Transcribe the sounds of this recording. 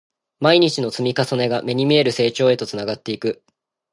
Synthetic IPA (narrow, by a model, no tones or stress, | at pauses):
maiɲ̟it͡ɕino̞t͡sɨmʲikaso̞ne̞ɡame̞ɲ̟imʲie̞ɾɯ̟se̞ːt͡ɕo̞ːe̞t̪o̞t͡sɨnaɡat̪ːe̞ikɯ̟